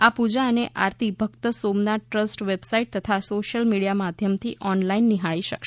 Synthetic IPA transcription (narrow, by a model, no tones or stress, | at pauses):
apud͡ʒaəneʔaɾt̪ibʱəɡt̪əsomnaʈɾəsʈʋebsaiʈ̚t̪ət̪ʰasoʃəlmiɽijamad̪ʱjəmt̪ʰiʔɔnlainːiɦaɭiʃəkʃ